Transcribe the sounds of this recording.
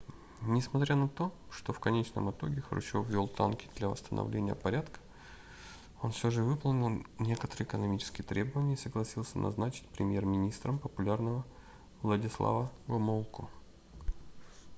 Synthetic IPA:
nʲɪsmɐt̪ɾʲanɐt̪o̞ | ʂt̪o̞fkɐnʲet͡ɕnə̰mɨt̪o̞ɡʲɪxrʊ̰t͡ɕofvʲo̞lˠt̪a̰nkʲɪ̥d̪lʲɐvə̰st̪ə̰nɐ̰vlʲenʲɪjə̰pɐɾʲat̪kə̥ | o̞nfsʲoʐɨvɨplˠnʲɪlˠnʲe̞kət̪əɾɨɪkənɐmʲit͡ɕɪ̥skʲɪjt̪ɾʲe̞bəvənʲɪjəisəɡlˠɐsʲilˠsʲənɐ̰znat͡ɕɪ̥t̚ʲpɾʲɪmʲjermʲɪnʲist̪ɾəmpəpʊlʲarnəvə | vlˠədʲɪslˠa̰vəɡɐmolˠkʰʊ

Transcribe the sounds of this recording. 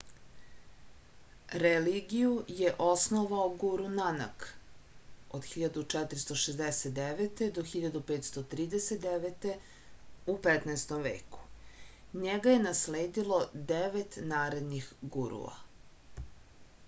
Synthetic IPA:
ɾeliɡijujeʔosnoʋaoɡuɾunana̰k | od̪xiʎad̪ut͡ʂɛt̪ɾist̪o̞ʃezd̪eset̪̚d̪eʋet̪e̞d̪oxiʎad̪upeːt̪st̪ot̪ɾiːd̪eset̪̚d̪eʋet̪e̞ | upet̪naest̪omʋḛːku̥ | ɲeɡaje̞nasleːd̪ilˠo̞d̪eʋet̪naːɾed̪nixɡuɾṵa̰

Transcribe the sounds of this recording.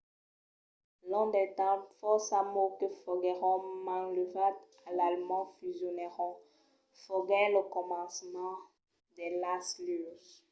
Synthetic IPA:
lɔ̃d̪ɛt̪ãfɔsamokəfɔɡɛʁɔ̃mãləvat̪ | alalmɑ̃fyzjɔnɛʁɔ̃ | fɔɡɛləkɔmɑ̃smɑ̃ | d̪ɛlasly

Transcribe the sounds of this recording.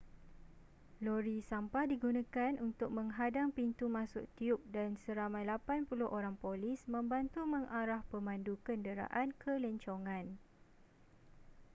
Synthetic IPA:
loɾisampahdiɡunãkanunt̪ʊk̚mə̃ŋɦadaŋpint̪umãsʊk̚t̪iʊp̚dansəɾamãjlapanpulʊhʔoɾaŋpolɪsmə̃mbant̪umə̃ŋʔaɾahpəmãndukəndəɾa̰ʔankʰələɲt͡ʃoŋãn

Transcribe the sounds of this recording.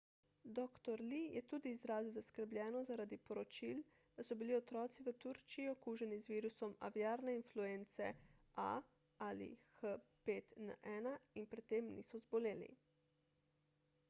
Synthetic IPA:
d̪ɔːkt̪ɔɾlijɛt̪uːd̪iːzɾaːziwzaskəɾblʲjɛːnɔzaɾaːd̪ipɔɾɔt͡ʃil | d̪̥asɔbiliɔt̪ɾɔːt̪siʋət̪uɾt͡ʃiiɔkuːʒɛnizʋiːɾusɔma̰ʋjaːɾnɛinflueːnt̪sɛa̰ | alḭxəpeːt̪naʔɛːnainpɾɛt̪ːemnḭsɔzbɔleːlḭ

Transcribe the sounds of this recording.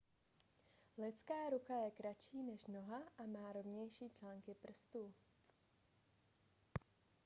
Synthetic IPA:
lɪt͡skaːɾukajɛkɾat͡ʃiːnɛʃno̞ɦaʔamaːɾo̞vɲɛjʃiːt͡ʃlaːŋkɪpr̩st̪uː

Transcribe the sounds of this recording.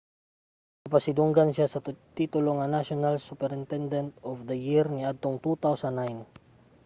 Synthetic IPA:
mɐpɐsɪd̪ʊŋɡansjasɐt̪it̪ʊloŋɐnaʃonalsupɛɾɪnt̪ɛnd̪ɛnt̪ɔfd̪ɐjɪɾniʔad̪̚t̪oŋt̪ut̪awsanːajn

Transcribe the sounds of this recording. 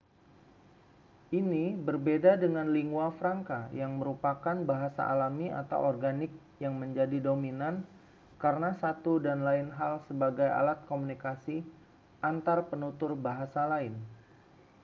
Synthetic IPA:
ʔinibərbedadəŋanliŋɡuafɾaŋkajaŋməɾupakanbaɦasa̰ʔalamia̰t̪a̰wɔrɡanɪk̚ | jaŋməɲd͡ʒadidominan | kaɾənasat̪udanlaɪnɦalsəbaɡaja̰lat̪̚komunikasi | ʔant̪arpənut̪ʊrbaɦasalaɪn

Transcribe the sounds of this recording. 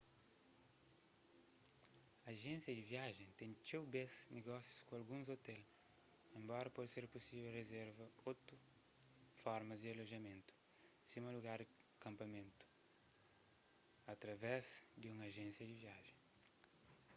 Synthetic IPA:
ɐːʒẽnsjɐd̪ɪviaʒẽt̪ẽnt͡ʃewbesneɡɔsju̥skõalɡũzot̪ɛl | ẽmbɔɾɐpɔd̪ɪseɾpusivɛlrezɛɾvɐot̪ʊ | fɔɾmɐzd̪ɪaloʒɐmẽnt̪ʊ̥ | simɐluɡaɾ | kɐ̃mpɐmẽnt̪ʊ̥ | ɐt̪ɾɐvɛzd̪ɪũŋɐʒẽnsjɐd̪ɪviaʒẽ

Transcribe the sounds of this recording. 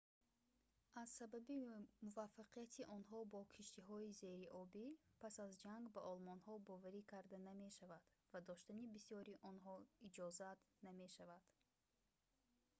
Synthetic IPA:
ʔaz̥sababimuvafːaqijat̪ʰiʔɔnɦɔbɔkʰiʃt̪iɦɔize̞ɾiʔɔbipʰasazd͡ʒaŋɡbaʔɔlmɔnhɔbɔvaɾikʰaɾd̪aname̞ʃavad̪̥vad̪ɔʃt̪anibisijɔɾiʔɔnɦɔid͡ʒɔzat̪name̞ʃavad̪̥

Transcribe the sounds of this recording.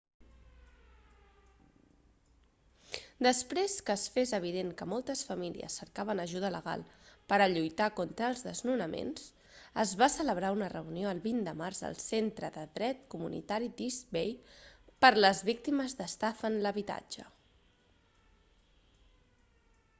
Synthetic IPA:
d̪əspɾeskəːsfezəβ̞iðeŋkəmɔlˠt̪əsfəmilḭə̰sːəɾkaβənəʒuð̞ələɣ̞a̰lˠpəɾəʎujt̪akont̪ɾəːlˠzðəznunəmḛns | əzβasələβɾaunərəunioəlˠβind̪əmarzə̰lˠsent̪ɾəðəðɾɛt̪kumunḭt̪aɾid̪izbejpəɾləzβik̚t̪iməzðəst̪afənləβit̪a̰d͡ʒə̰

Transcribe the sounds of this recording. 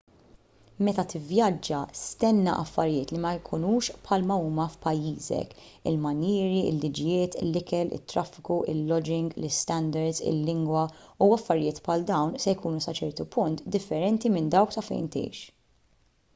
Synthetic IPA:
mɛt̪ɐt̪ɪvjɐd͡ʒːɐst̪ɛnːɐ̰ʔɐfːɐɾjɪːt̪limɐjkʰʊnuːʃpħɐlmɐuːmɐfpɐjːiːzɛ̰k | ɪlmɐniːɾiɪ̰lːid͡ʒɪjɪːt̪ɪlːɪkɛlɪ̰t̪ːɾɐfːɪ̥kuʔɪlːɔd͡ʒɪŋɡlɪst̪ɛnd̪ɛɾd̪zɪ̰lːɪŋɡwɐuɐfːɐɾɪjɪːt̪pʰħɐld̪ɐwnsɛjkuːnusɐt͡ʃɛɾt̪upʊnt̪d̪ɪfːɛɾɛnt̪imɪnd̪ɐwksɐfɛ̰jnt̪ɛ̰jʃ

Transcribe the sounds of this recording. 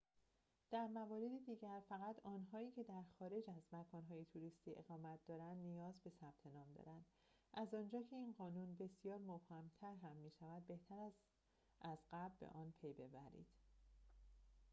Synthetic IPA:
d̪̥æɾmævɒːɾe̞d̪id̪iːɟæɾfæɣæt̪ʰɒːnɦɒːiːcʰe̞d̪æɾxɒːɾe̞d͡ʒæzmækʰɒːnɦɒːjet̪ʰuɾist̪iːʔe̞̰ɣɒːmæt̪̚ʰd̪ɒːɾænd̪nijɒːzbe̞sæb̥̚t̪ʰe̞nɒːmd̪ɒ̰ɾænd̪̥ | ʔæzɒːnd͡ʒɒːcʰe̞iːnɢɒːnunbe̞sjɒːɾmob̥hæmt̪ʰæɾɦæmːiːʃævæd̪̚be̞ht̪ʰæɾæz | ʔæzɢæbbḛʔɒːnpʰe̞jbe̞bæɾḭːd̪̥

